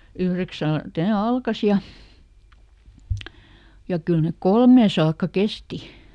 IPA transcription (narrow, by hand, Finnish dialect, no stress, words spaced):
yhreksælt ne ɑlkɑs jɑ jɑ kyl nek kolmeː sɑːkːɑ kesti